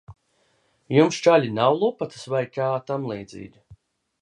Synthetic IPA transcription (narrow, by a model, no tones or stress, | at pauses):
jumst͡ʃalʲinawlˠupat̪svajkaːt̪amlˠiːd̪zḭːɡʲi